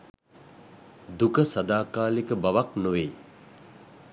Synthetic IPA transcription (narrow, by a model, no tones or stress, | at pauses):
d̪ukəsad̪aːkaːlikəbaʋaknoʋe